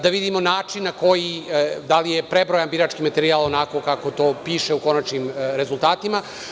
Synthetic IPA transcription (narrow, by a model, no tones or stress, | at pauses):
d̪aʋid̪imo̞naːt͡ʂinːako̞jid̪alijepɾebɾojanbiɾat͡ʂkimat̪e̞ɾiaːlˠonako̞kako̞t̪o̞ːpiːʃeuko̞nat͡ʃnimɾe̞zulˠt̪aːt̪ima